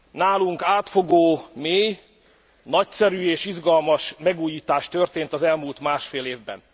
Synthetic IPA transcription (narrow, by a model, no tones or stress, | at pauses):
naːluŋkaːt̪fo̞ɡoːmeːj | nɒcsɛɾyːeːʃiʒɡɒlmɒʃmɛɡuːjiːt̪aːʃt̪ørt̪eːnt̪ɒzɛlmuːlt̪maːʃfeːleːvbɛ̰n